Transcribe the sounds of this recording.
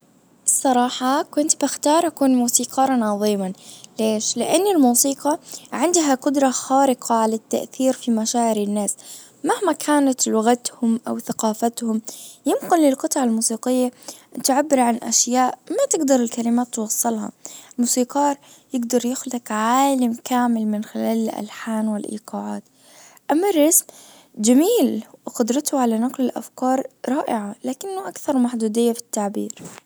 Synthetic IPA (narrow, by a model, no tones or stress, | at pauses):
ʔɨsˤːɑɾˤɑːħɑkwɪnt̪bɪxt̪ɑːɾˤʔakuːnmuːsiːqɑːɾˤɑnʕɑðˤiːmanleːʃlɪʔanːɪlmuːsiːqɑʕɪnd̪ɦaqʊd̪ɾˤɑxaːɾɪqʰɑʕalat̪ːa̰ʔθiːɾfimaʃaːʕɪɾɪnːaːs | mahmakʰaːnat̪lʊɣat̪hʊmʔawθaqɑːfat̪hʊmjɪmqʊnlɪlqɨt̪ˤʕalmuːsiːqɪjːat̪ʕabːɪɾʕanʔa̰ʃjaːʔmat̪ɪɡd̪ɑɾˤɪlkalɪmaːt̪ːwɑsˤːɨlhɑ̰lmuːsiːqɑːɾˤ | jɪɡd̪ɑɾˤjɪxlakʕaːlamkaːmɪlmɪnxɪlaːlʔa̰lħaːnwɪlʔḭːqɑːʕaːt̪ | ʔamːarːɑsm | d͡ʒamiːlxʊd̪ɾˤɑt̪hʊʕalanaqlɪlʔa̰fkɑːɾˤɾˤɑːʔɪʕalaːkɪnːʊʔakθɑɾˤmaħd̪uːd̪ɪjːafi̥t̪ːaʕbiːɾ